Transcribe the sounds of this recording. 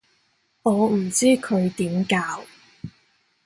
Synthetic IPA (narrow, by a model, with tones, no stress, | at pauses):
ɔː˨˧m̩˨˩t͡siː˥kʰɵ˨˧ɥt̪iː˨˥mkaː˧w